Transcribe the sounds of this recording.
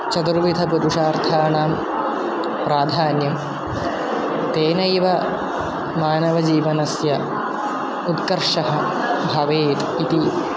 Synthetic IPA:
t͡ʃɐt̪uɾʋid̪ʱɐpuɾuʂaːɾt̪ʰaːɳaːm | pɾaːd̪ʱaːnjɐm | t̪eːnɐjʋɐ | maːnɐʋɐd͡ʒiːʋɐnɐsjɐ | ut̪kɐɾʂɐɦɐ̆ | bʱɐʋeːt̪ | it̪i

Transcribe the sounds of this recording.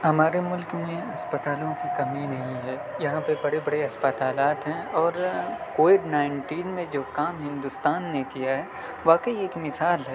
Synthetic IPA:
ɦɐmaːɾemʊlkmẽɐspət̪aːlõkikɐminɐɦĩɦɛːjɐɦãpebɐɽebɐɽeɐspət̪aːlaːt̪ɦɛ̃ɔːɾkoːʋɪɖnaːɪ̃ɳʈiːnmẽd͡ʒoːkaːmɦɪ̃nd̪ʊst̪aːnːekijaɦɛ | ʋaːkəieːkmɪsaːlɦɛ

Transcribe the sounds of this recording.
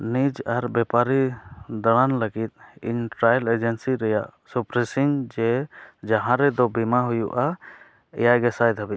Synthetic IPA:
nid͡ʒaɾbɛpaɾid̪aɽ̃anləɡit̪̚ḭɲʈɾajled͡ʒɛnsiɾɛjaʔsupɾɛsiŋd͡ʒɛd͡ʒaɦãɾɛd̪ɔbimaɦujuʔa | ɛ̰jajɡɛsajd̪ʱabi

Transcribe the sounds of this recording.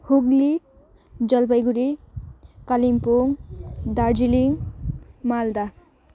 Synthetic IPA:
huɡli | d͡ʒʌlpʌjɡuɾi | kalimpoŋd̪aɾd͡ʒiliŋ | mald̪a

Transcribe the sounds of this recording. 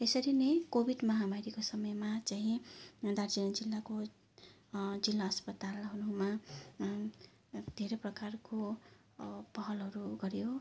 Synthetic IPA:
esʌɾinekobʱiɖmʌɦamaɾikosʌmʌjmat͡saɦĩd̪ard͡zinʌd͡zilːako | d͡zilːaʌspʌt̪alɦʌɾuma | d̪ʱeɾʌprʌkarko | pʌɦʌlɦʌɾuɡʌɾjo

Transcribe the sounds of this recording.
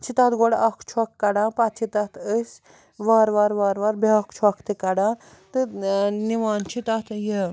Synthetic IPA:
t͡ʃʰit̪at̪ɡɔɽɐkʰt͡ʃʰuɐkːɐɽãːpat̪t͡ʃʰit̪ɐt̪əsʲ | ʋaːɾʋaːɾʋaːɾʋaɾbeakt͡ʃʰɐkʰt̪ɨkɐɽaː | t̪ɨniʋaːnt͡ʃʰit̪at̪ʰjə

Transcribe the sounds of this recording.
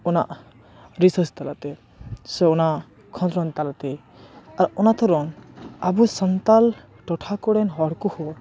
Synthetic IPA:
ɔnaʔ | ɾisəst̪alat̪ɛ | sɛɔnaʔ | kʰɔ̃nd̪ɾɔ̃nt̪alat̪ɛ | aɾɔnat̪ʰɔɾɔnabusənt̪al | ʈɔʈʰakɔɽɛnɦɔɽkuhɔ

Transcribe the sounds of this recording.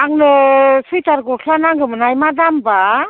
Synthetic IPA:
aŋnɯsɯjtaɾɡɔkʰlanaŋɡɯmɯnajmadamba

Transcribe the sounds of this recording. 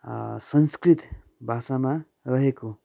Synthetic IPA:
sʌnskrit̪ | bʱasama | rʌɦeko

